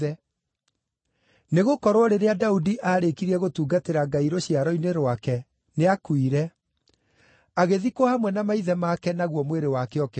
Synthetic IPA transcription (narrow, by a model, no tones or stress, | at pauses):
ɛ | neɣokɔɾwɔɾeɾeadaudiʔaːɾekiɾiɛɣotuːɡateɾaɡaiɾoɕjaɾɔineɾwakɛ | neakwiɾɛ | aɣeðikwɔhamwɛnamaiðɛmakɛnaɣwɔmweɾewakeɔkɛ